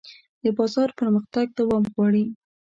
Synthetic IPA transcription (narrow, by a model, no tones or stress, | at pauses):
d̪̥əbɑzɑɾpəɾməxt̪aɡ̚d̪awɑmɣwɑɽi